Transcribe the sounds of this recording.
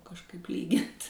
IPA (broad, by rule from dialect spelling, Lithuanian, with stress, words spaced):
kɐʃˈkɐɪp ˈlʲiːɡʲɪnt